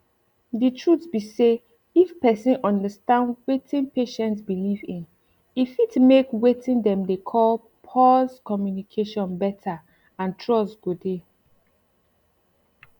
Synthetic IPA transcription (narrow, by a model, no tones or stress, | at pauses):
ditʰɹutsbise | ifpɛsĩnʔɔ̃ndəstãndwetʰĩnpeʃɛ̃ntsbilivĩn | ifitmekwetʰĩndɛ̃mdekʰɔl | pʰɔskɔmjunikʰeʃɔ̃nbɛtʰa | ãntʰɹɔsɡ̥ode